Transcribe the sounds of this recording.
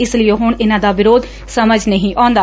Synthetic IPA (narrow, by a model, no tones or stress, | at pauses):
ɪslɪeːɦʊɳɪnãːd̪aːʋɪɾoːd̪ | səməd͡ʒnəɦĩːʔãːnd̪aː